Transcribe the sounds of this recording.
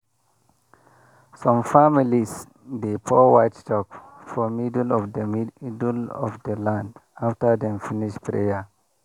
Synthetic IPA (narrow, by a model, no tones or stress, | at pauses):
sɔ̃mfamilis | depʰɔwajtstɔkfɔmidlɔfdəidlɔ̰fdəlãndaftədɛ̃mfiniʃpɹḛja